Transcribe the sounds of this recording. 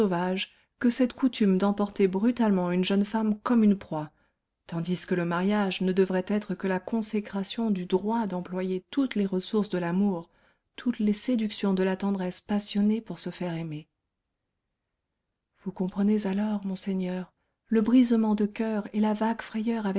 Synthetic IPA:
ovaʒ | kəsɛt̪kut̪ymd̪ɑ̃pɔʁt̪ebʁyt̪almɑ̃ynʒənfamkɔmynpχwa | t̪ɑ̃d̪iskələmaʁjaʒnəd̪əvʁɛt̪ɛt̪χəkəlakɔ̃sekχasjɔ̃d̪yd̪ʁwad̪ɑ̃plwajet̪ut̪leʁəsuʁsd̪əlamuʁ | t̪ʰut̪lesed̪yksjɔ̃d̪əlat̪ɑ̃d̪ʁɛspasjɔnepuʁsəfɛʁeme | vukɔ̃pχənezalɔʁmɔ̃seɲœʁ | ləbʁizmɑ̃d̪əkʲœʁelavaɡfχɛjœʁavɛ

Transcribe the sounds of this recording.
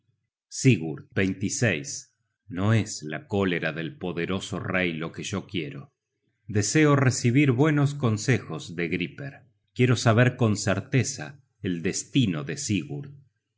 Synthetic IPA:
siɣuɾbejnt̪isejs | no̞ezla̰ko̞le̞ɾaðe̞lpo̞ðeɾo̞so̰rejlo̞keʒo̞kjeɾo | d̪eseoresiβ̞iɾβwe̞nos̬ko̞nsexozðeɣɾipeɾ | kje̞ɾo̞saβ̞eɾko̞nseɾt̪esa̰ | eld̪est̪inoðesiɣuɾ

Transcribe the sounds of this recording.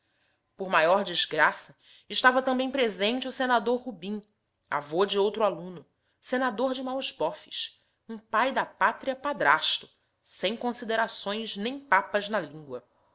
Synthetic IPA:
poɾmajɔɾd͡ʒizɡɾasɐ | ɪʃt̪avɐt̪ɐ̃mbẽj̃pɾezẽnt͡ʃɪusenad̪oɾɦubĩ | a̰vod͡ʒɪowt̪ɾʊalũnʊ | senad̪oɾd͡ʒɪmawʃbɔfi̥ʃ | ũpajd̪ɐpat̪ɾiɐpad̪ɾaʃt̪ʊ̥ | sẽj̃kõsid̪eɾasõj̃znẽj̃papɐznɐlĩŋɡwɐ

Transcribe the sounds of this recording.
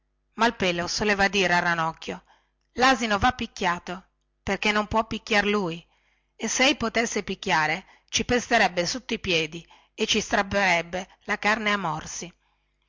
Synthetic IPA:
malpeːlosoleːvad̪iːɾearːanɔkʲːjo | laːzinovapːikːjaːt̪o | perkenːompwɔpːikːjarluːj | esːeɛjpot̪esːepikʲːjaːɾe | t͡ʃipest̪eɾɛbːesut̪ːoipjɛːd̪i | et͡ʃːist̪ɾabeɾɛbːe | lakarneamːɔrsi

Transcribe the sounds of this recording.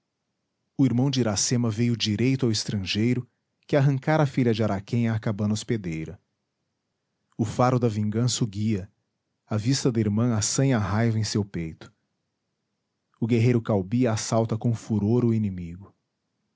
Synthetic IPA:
ʊiɾmɐ̃w̃d͡ʒɪɾasẽmɐvejʊd͡ʒiɾejt̪ʊawɪst̪ɾɐ̃ʒejɾʊ | kɪaɦɐ̃ŋkaɾafiʎɐd͡ʒɪaɾakẽj̃akabɐ̃nɐosped̪ejɾɐ | ʊfaɾʊd̪ɐvĩŋɡɐ̃sɐʊɡiɐ | ɐvist̪ɐd̪ɐiɾmɐ̃asɐ̃jɐaɦajvɐẽj̃sewpejt̪ʊ̥ | ʊɡeɦejɾʊkawbiɐasawt̪ɐkõfuɾoɾʊinẽmiɡʊ

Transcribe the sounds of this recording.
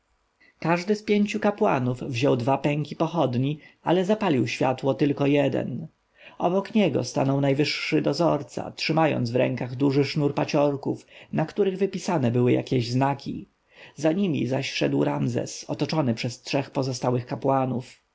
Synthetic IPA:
kaʐd̪ɘspʲjeɲt͡ɕukapwa̰nuvvʑɔwd̪vapɛŋkʲipɔxɔd̪ɲialɛzapalʲiwɕfʲja̰t̪wɔt̪ɘlkɔjɛd̪ɛ̰n | ʔɔbɔkɲɛɡɔ̰st̪a̰nɔwnajvɘʂːɘd̪ɔzɔɾt̪sa̰tʂɘmajɔ̰nd̪zvɾɛ̰ŋkaɣd̪uʐɘʂnuɾpat͡ɕɔɾkufnakt̪uɾɘɣvɘpʲisanɛbɘwɘja̰kʲɛʑznakʲḭ | zaɲimʲḭzaɕʂɛd̪wɾamzɛ̰sɔ̰t̪ɔt͡ʂɔnɘpʂɛstʂɛxpɔzɔst̪awɘxkapwanuf

